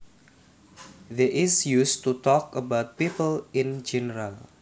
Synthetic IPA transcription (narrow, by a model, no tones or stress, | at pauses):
ðeʔɪsjustutɔkəbaʊt̪̚pipəlɪ̃nd͡ʒɛnəɾal